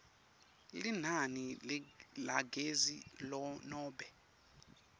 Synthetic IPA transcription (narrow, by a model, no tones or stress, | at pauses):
lin̤anillaɡezilɔnɔːɓɛ